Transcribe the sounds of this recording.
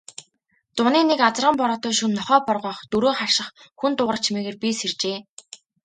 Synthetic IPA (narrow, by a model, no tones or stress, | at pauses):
t̪ʊniːnekat͡sə̆rʁə̆mpɔɾɔːt̪ɔːʃunːɔχœːpɔrʁɔːχt̪uɾoːχar̥ʃɪ̆χxunt̪ʊʁrə̆t͡ɕʰimeːɣeːrpʲisert͡ɕeː